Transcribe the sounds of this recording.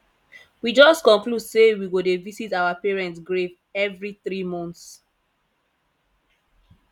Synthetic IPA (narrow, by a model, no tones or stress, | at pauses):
wid͡ʒɔstkɔ̃ŋkludsewiɡodevisitawapɛɹɛ̃ntsɡɹev | ɛvɹiθɹimɔ̃nts